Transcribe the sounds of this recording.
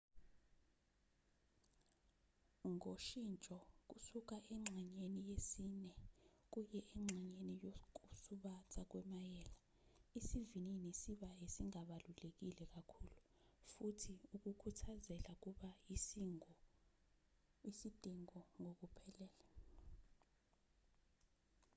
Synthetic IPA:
ŋoʃint͡ʃʼɔk̬usuk̬aʔɛŋ͡ǁʱɛɲenijesinɛk̬ujɛʔɛŋ͡ǁʱɛɲenijok̬usuɓatʰak̬wɛmajɛːla | isivininisiɓaesiŋaɓalulek̬ilɛk̬ʼakʰuːlufutʰiuk̬ʼukʰutʰazɛlak̬uɓa | ɔ | isid̥ʱʼiŋɔŋok̬ʼupʰɛlɛːla

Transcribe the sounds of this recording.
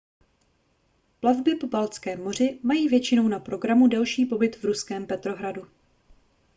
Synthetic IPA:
plavbɪpobalt͡skɛːmo̞r̝ɪmajiːvjɛt͡ʃɪno̞wnapɾo̞ɡɾamudɛlʃiːpo̞bɪt̪vɾuskɛːmpɛt̪ɾo̞ɦɾadu

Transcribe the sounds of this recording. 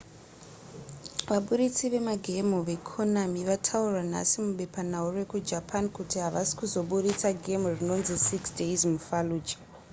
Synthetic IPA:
ʋaɓuɾit͡siʋe̞maɡʱe̞muʋe̞kʰonamiʋatʰaurwana̰simuɓe̞panaure̞kud͡ʒapʰankutiɦaʋasi̥kuzo̞ɓuɾit͡saɡʱe̞murino̞nzisiksdeizmufaluːd͡ʒḁ

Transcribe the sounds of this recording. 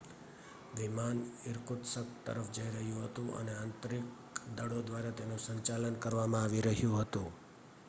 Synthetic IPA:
ʋimanɪɾkʊt̪səkt̪ə̰ɾəfd͡ʒəiɾəɦjũɦət̪ũʔə̰neãnt̪ɾik | d̪əɽod̪ʋaɾat̪enũsəɲt͡ʃalənkəɾʋamãaʋiɾəɦjũɦət̪ũ

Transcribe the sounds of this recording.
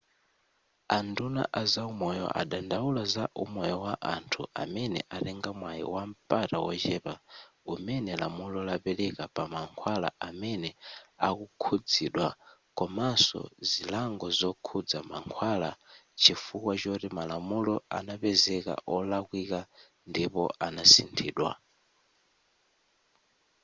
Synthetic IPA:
anduna̰ʔazaumɔjɔ̰ʔa̰ɗandaulazaʔumɔjɔwaʔantʰua̰mɛnɛ̰ʔaɾɛŋɡamwajḭwam̩patawɔt͡ʃɛpaumɛnɛlamulɔlapɛlɛkapamaŋkʰwala̰amɛnɛakukʰud͡ziɗwakɔmasɔ̰zilaŋɡɔzɔkʰud͡zama̰ŋkʰwalat͡ʃʰifukwat͡ʃɔɾimalamulɔa̰napɛzɛka̰ʔɔlakwika | ndipɔ̰ʔanasḭntʰiːɗwa̰

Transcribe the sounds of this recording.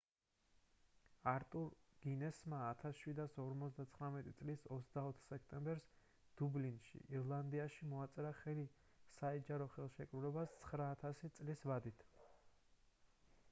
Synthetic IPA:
aɾt̪ʼuɾɡ̥inɛsmaːt̪ʰasʃwid̪asɔɾmɔt̪sd̪at̪sʰχɾamɛt̪ʼit̪sʼlisɔt̪sd̪aɔt̪ʰχsɛkʰt̪ʼɛmbɛɾs | d̪̥ublinʃḭʔiɾlˠand̪iaʃimɔat̪sʼɛɾaχɛli | saɛd͡ʒaɾɔχɛlˠʃɛkʼɾulɛbast̪sʰχɾaːt̪ʰasit̪sʼlisvad̪it̪ʰ

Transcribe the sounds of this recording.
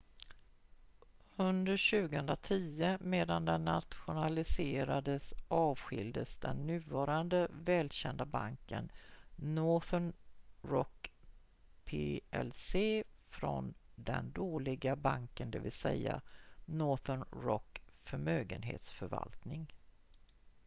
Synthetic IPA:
hɵnd̪əɾɕʉ̟ːɡəhɵnd̪ɾat̪ʰiːəmeːd̪and̪ɛnːat̪ɧʊnalɪseːɾad̪əsʔɑːvɧɪ̰ld̪əsd̪ɛnːʉ̟ːvɑːɾand̪əvɛːlɕɛnd̪abaŋkə̰nnɔθənɾɔk | pʰeɛlseːfɾɔnd̪ɛnd̪oːlɪɡabaŋkənd̪ɛːvɪlsɛjːa̰nɔθənɾɔkfœɾmøːɡənɦḛːt̪sfœɾva̰lt̪nɪŋ

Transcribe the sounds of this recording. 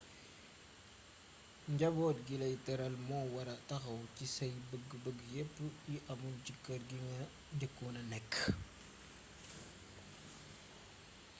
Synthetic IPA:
ɲɟɐbɔːtɡilɐjtɐɾɐlmɔːwɐɾɐtɐxɐwcisɐjbəɡbəɡːjepːjiʔɐmunt͡ʃikːɐɾɡiŋɐ | dəkːunɐnɛkː

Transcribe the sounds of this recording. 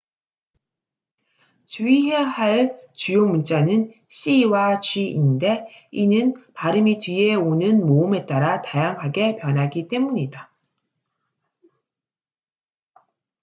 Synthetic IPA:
t͡ɕuiɦeɦaɭt͡ɕujomunt͡ɕ͈anɯn | ɕ͈iwat͡ɕɥiinde̞inɯnpaɾɯmitɥie̞onɯnmoɯme̞t͈aɾatajaŋɦaɡe̞pjʌnɦaɡit͈e̞muɲida

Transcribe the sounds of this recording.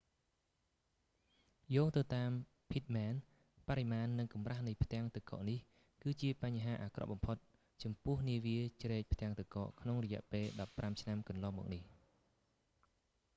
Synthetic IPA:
jɔːŋt̪ɨwt̪aːm | pʰit̪̚mɛːn | paɾimaːnːɨŋkɑmrahnɨjpʰt̪ɛ̆əŋt̪ɨkɑ̰ːʔnih | kɨːt͡ɕiəpaɲɦaːʔaːkrɑ̰ʔɓɑmpʰot̪̚ | t͡ɕɑmpʊ̆əhniəʋiət͡ɕrɛːc̚pʰt̪ɛ̆əŋt̪ɨkɑ̰ːʔkʰnoŋrɔjɛ̆əʔpeːlɗɑpːramt͡ɕʰnamkɑnlɑːŋmɔ̰ːk̚nih

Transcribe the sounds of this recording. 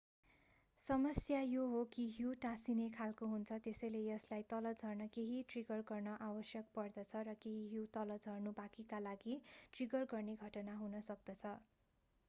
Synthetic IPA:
sʌmʌsjajoɦokiɦjuʈasinekʰalkoɦunt͡sʰʌt̪esʌjlejʌslajt̪ʌlʌd͡zʱʌrnʌkeɦiʈriɡʌrɡʌrnʌʔawʌsjʌk̚pʌrd̪ʌt͡sʰʌɾʌkeɦiɦjut̪ʌlʌd͡zʱʌrnubakikalaɡiʈriɡʌrɡʌrneɡʱʌʈʌnaɦunʌsʌk̚d̪ʌt͡sʰʌ

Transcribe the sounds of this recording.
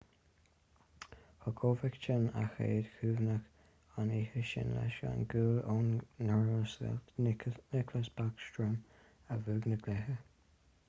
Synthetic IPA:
hɔkʰoːvɛkt͡ʃɪna̰xḛːd̪̥kʰʉːvnəx | aniːhəʃɪ̰nlɛ̰ʃa̰nɡuːloːnːɔɹəs | nɪkʰləsbakʃtɹəm | əvʉːɡnəɡlɛhə

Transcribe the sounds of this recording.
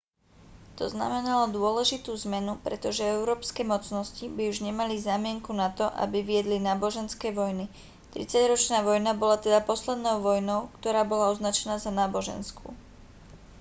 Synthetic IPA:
t̪ɔzna̰mɛnalɔd̪ʊɔlɛʒit̪uːzmɛnupɾɛ̰t̪ɔʒɛɛʊɾɔːpskɛːmɔt͡snɔscibiuʒɲɛmalizaːmɪɛŋkunat̪ɔʔa̰biʋiɛd̪linaːbɔʒɛnskɛːʋɔjni | t̪ɾḭt͡saɟɾɔt͡ʃnaːʋɔjnabɔlat̪ɛd̪apɔslɛd̪nɔʊʋɔjnɔʊkt̪ɔɾaːbɔlaɔznat͡ʃɛnaːzanaːbɔʒɛ̰nskṵː

